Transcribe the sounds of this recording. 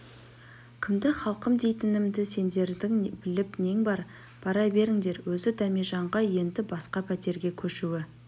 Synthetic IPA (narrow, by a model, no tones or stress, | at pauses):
kʲʰɪmd̪ɪχɑlˠqəmd̪e̞jt̪ɪnɪmd̪ɪse̞nd̪e̞ɾd̪ɪŋbɪlɪpne̞ŋbɑɾ | pʰɑɾɑjbe̞ɾɪŋd̪e̞ɾwɵzɪd̪æmeʒɑɴʁɑje̞nd̪ɪbɑsqɑpʰæt̪e̞ɾɡʲe̞kʲʰɵʃuɪ